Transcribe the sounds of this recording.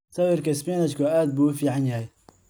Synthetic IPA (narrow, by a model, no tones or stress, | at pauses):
sɐwɪrkɐɪspaːnɐt͡ʃkʰʊaːd̪̚buːʊfiːʕɑnjɐhɛj